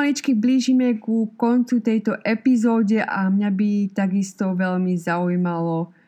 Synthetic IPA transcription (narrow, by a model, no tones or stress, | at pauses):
ɲit͡ʃkibliːʒimɛkukɔnt͡sut̪ɛjt̪ɔʔɛpizɔːɟɛʔamɲabit̪aɡist̪ɔʋɛlmizaujmalɔ